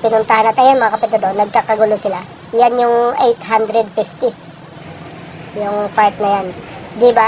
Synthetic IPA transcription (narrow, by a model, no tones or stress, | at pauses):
pɪnʊnt̪ɐhanɐt̪ɐjanmɐŋakɐpɪt̪ɐd̪onːɐɡ̚kakɐɡulosɪla | janjʊŋʔejt̪ɦand̪ɾɛd̪̚fɪft̪ɪ | jʊŋpaɹt̪̚nɐjand̪iba